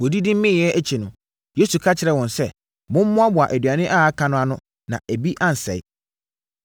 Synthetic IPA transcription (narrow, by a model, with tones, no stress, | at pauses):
wɔ˨di˦dɪ̃˦m̩˦mɪ̃˦˨ɛ˦ʔæ˦t͡ɕʰi˨nʊ̃˨ | je˦su˨kʰa˦t͡ɕʰɪ˨ɾɛ˨wɔ̃˨nsɛ˦ | mʊ̃˦m̩˦mʊ̃˦a˦bʊ˨a˨ʔæ˨dɥa˨nɪ̃˦ʔa˦a˦kʰã˨nʊ̃˦a˦nʊ̃˦ | nã̰˨ʔæ˨bi˦ʔã˦n̩˨sɛ̰˨ɪ˦